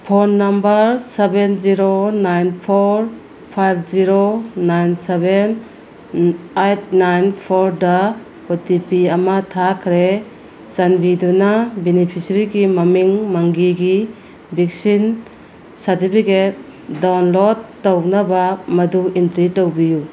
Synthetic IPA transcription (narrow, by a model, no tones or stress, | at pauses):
pʰonːɐmbɐɾsebenziɾonajnpʰoɾ | pʰajb̚ziɾonajnseben | ajt̚ʰnajnpʰoɾda | otipiɐmatʰakʰɾe | zanbidunabenipʰisɾiɡimɐmiŋmaŋɡiɡi | bik̚sin | saɾtipʰiket̚ | dawnlodːownɐbamɐduintɾitowbiju